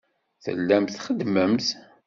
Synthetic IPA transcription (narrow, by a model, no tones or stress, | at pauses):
θə̰lːæmθχəd̪məmθ